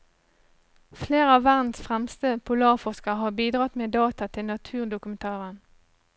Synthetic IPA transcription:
fleːʁəɑːʋæʁdnn̩sfʁɛmst̪əpʰʊlɑːʁfɔskəʁɦɑːbiːd̪ʁɑt̪meːd̪ɑːt̪ɑt̪ʰɪlnɑt̪ʰʉːʁd̪ʊkʉmənt̪ʰɑːʁən

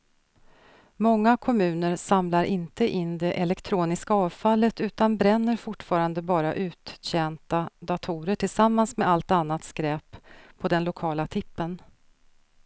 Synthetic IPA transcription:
mɔŋːakʰɔmʉ̟ːnəɾsamlaɾʔɪnt̪əʔɪnːd̪ɛʔɛlɛkt̪ʰɾuːnɪskaɑːvfalːət̪ʉ̟ːt̪anbɾɛnːəɾfʊʈfɑːɾand̪əbɑːɾaʔʉ̟ːt̪ɕɛnt̪ad̪at̪ʰuːɾəʈʰɪlsamːansmɛalt̪anːat̪skɾɛːpʰːɔd̪ɛnlʊkʰɑːlat̪ʰɪpːən

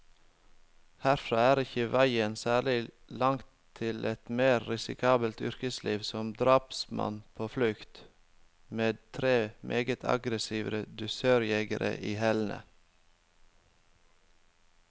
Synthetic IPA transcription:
hæɾfɾɑːæːɾɪçəʋæɪənsæːɭɪ | lɑŋt̪ʰɪlʔɛt̪meːɾːɪsɪ̰kʰɑːbəlt̪ʏɾkəsliːʋsɔmd̪ɾɑːpsmɑ̰npʰoːflʉkt̪ | meːd̪̚t̪ʰɾeːmʔeːɡət̪ʰɑ̰ɡɾəsiːʋɾəd̪ʉsøːɾjɛɡəɾʔə̰ʔiːhɛlnə̰

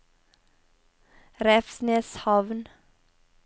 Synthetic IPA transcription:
ɾɛfsneshɑʋn

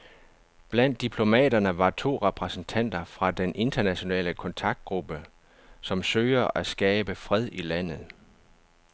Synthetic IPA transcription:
b̥læn̰d̥ːipʰlo̝mɛ̰ːdɐnəʋɑ̈t͡sʰo̝̰ːʁɛpʰʁɛsənt͡sʰæn̰d̥ɐfʁɑ̈d̥enʔe̝nd̥ɐnæɕo̝nɛ̰ːləkʰɒ̽nt͡sʰɑ̈ɡ̥̚d̥̚ɡ̥ʁub̥ə | sɒ̽msøːɐʔæsɡ̥ɛːb̥əfʁɛð̞ˠilæn̰ð̩ˠ

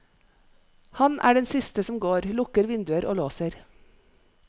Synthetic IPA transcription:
hɑnʔæ̰ːɖɛnsɪst̪əsɔmɡoːɾlʊkəɾʋɪnd̪ʉəɾʔo̰ːloːsəɾ

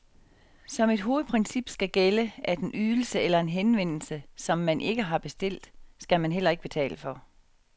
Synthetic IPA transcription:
sɒ̽me̝d̥ɦo̝ːð̞̩ˠpʰʁɛnsib̥sɡ̥æɡ̥eləʔæd̥e̝nʔyðˠl̩səelɐe̝nɦenʋen̰l̩səsɒ̽mːænʔe̝ɡ̥əɦɑ̈b̥e̝sd̥e̝l̰d̥sɡ̥æmænɦel̰ɐe̝ɡ̥əb̥e̝t͡sʰɛ̰ːləfɒ̽

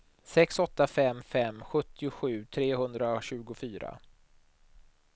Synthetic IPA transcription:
sɛksɔt̪ːafɛmːfɛmːɧɵt̪ːɪʊɧʉ̟ːt̪ʰɾeːɦɵnd̪ɾaɕʉ̟ːɡʊfyːɾa̰

